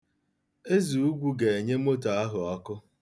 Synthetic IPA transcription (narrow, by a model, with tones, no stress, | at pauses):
e˦zu˨u˦ɡʷu˦ɡe˨e˨ɲe˦m̩˦o˦ta˨a˦ɦʊ˨ɔ˦kʊ˦